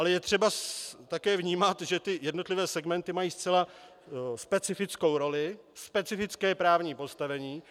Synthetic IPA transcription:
ʔalɛjɛt̪r̝̥ɛbat̪akɛːvɲiːmat̪ʒɛt̪ɪjɛdnot̪lɪvɛːsɛɡmɛnt̪ɪmajiːst͡sɛla | spɛt͡sɪfɪt͡sko̞wɾo̞lɪ | spɛt͡sɪfɪt͡skɛːpɾaːvɲiːpo̞st̪avɛɲiː

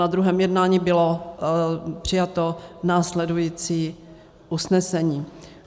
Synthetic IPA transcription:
ad̪ɾuɦɛːmjɛdnaːɲiːbɪlo | pr̝̥ɪjat̪onaːslɛdujiːt͡siː | ʔusnɛsɛɲiː

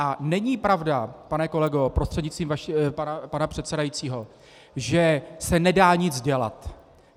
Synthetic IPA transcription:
ʔanɛɲipɾavdapanɛko̞lɛɡo̞pɾost̪r̥ɛdɲɪt͡st̪viːmvaʃpanapanapr̥ɛt̪sɛdajit͡siːɦo̞ | ʒɛsɛnɛdaːɲɪd͡zɟɛla̰t̪

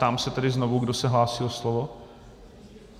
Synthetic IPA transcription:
t̪aːmsɛt̪ɛdɪznovuɡdo̞sɛɦlaːsɪloslovo

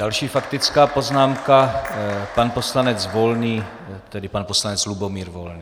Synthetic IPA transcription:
dalʃiːfakt̪ɪt͡skaːpo̞znaːmka | panpo̞slanɛt͡svo̞lniː | t̪ɛdɪpanposlanɛt͡slubomiːɾvolniː

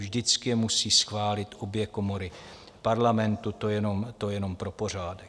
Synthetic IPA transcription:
ʒdɪt͡skɪjɛmusiːsxvaːlɪt̪o̞bjɛko̞mo̞ɾɪ | paɾlamɛnt̪ut̪ojɛno̞mt̪o̞jɛno̞mpɾo̞po̞r̝aːdɛ

